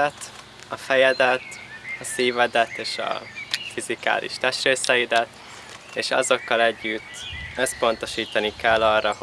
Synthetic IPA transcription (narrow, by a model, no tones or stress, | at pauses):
ɛt̪ | ɒfɛjɛd̪ɛt̪ɒsiːvɛd̪ɛt̪eːʃɒ̰fizika̰ːlʔḭʃt̪ɛʃɾeːsɛjid̪ɛt̪ | eːʃɒ̰zo̞kːɒlɛɟːyt̪ːøspo̞nt̪o̞ʃiːt̪ɒnikɛlːɒrːɒho